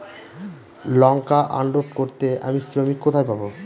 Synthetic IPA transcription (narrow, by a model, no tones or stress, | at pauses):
lɔŋkaʔaɳɖoɖkoɾt̪eʔa̰misɾomikːot̪ʰajpabo